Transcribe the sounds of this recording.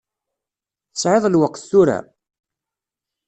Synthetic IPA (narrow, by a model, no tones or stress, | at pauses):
θə̥sʕeðˤlwəqːθːuɾa̰